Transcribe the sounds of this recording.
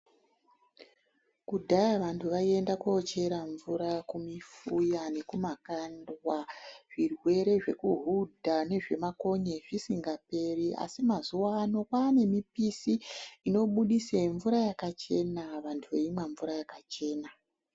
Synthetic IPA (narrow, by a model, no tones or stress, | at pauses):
kudʱajaʋantʰuʋaie̞ndakot͡ʃe̞ɾaɱvuɾakumifujane̞kumakandwaʐ̥irwe̞ɾe̞ʐe̞̰kuɦudʱane̞ʐemako̞ɲeʐisiŋɡape̞riʔa̰simazuwaːno̞kwaːne̞mipisiino̞ɓuɗiseɱvuɾajakat͡ʃe̞naʋantʰuʋeimwaɱvuɾajakat͡ʃe̞ːna